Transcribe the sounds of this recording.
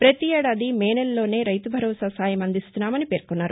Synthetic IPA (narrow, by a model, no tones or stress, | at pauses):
pɾɐt̪iɛːɽaːd̪imeːnelːo̞ːne̞ːɾɐjt̪ubʱɐɾɔːsaːsaːjɐmɐnd̪ist̪unːaːmɐnipe̞ːɾkunːaːɾu